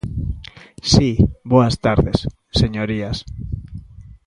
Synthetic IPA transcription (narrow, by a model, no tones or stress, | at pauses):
siboast̪aɾðes | seɲoɾias